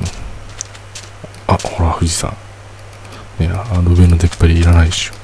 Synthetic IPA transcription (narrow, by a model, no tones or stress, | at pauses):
ahoɾahɯd͡ʑisa̰ | jaɾɯbenod̪epːaɾiːɾanajɕu̥